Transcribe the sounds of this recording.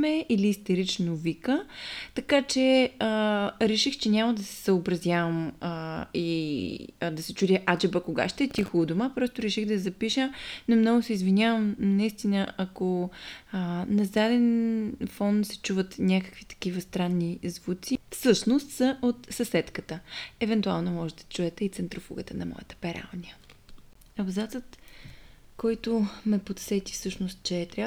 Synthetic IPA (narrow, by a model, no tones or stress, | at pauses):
mɛiliːst̪ɛɾit͡ʃnovikət̪ɐkat͡ʃɛəɾɛʃixt͡ʃɛnʲaməd̪ɐsɛ̥səobɾɐzʲjavəməi | d̪ɐsɛt͡ʃud̪ʲɛʔad͡ʒɛbəkoɡa̰ʃt̪ɛɛt̪ixod̪omapɾɔst̪ʊɾɛʃixd̪ɐzɐpiʃənomnɔɡʊsɛizvinʲavəmnɐist̪inəɐkoənɐzad̪ɛnfɔnt̪sɛ̥t͡ʃuvət̪nʲakə̥kvit̪ɐ̥kivəst̪ɾanːizvut̪sifsɤʃnost̪səʔot̪sɐsɛt̪kət̪əɛvɛnt̪ualˠnomɔʒɛd̪ɐ̥t͡ʃuɛt̪ɛit̪sɛnt̪ɾofo̰ɡət̪ənɐmɔ̰jə̰t̪ə̥pɛɾa̰lˠnʲiə | ɐbzat̪sət̪ | kɔjt̪omɛpot̪sɛt̪i̥fsɤʃnost̪̚t͡ʃɛːt̪ɾʲa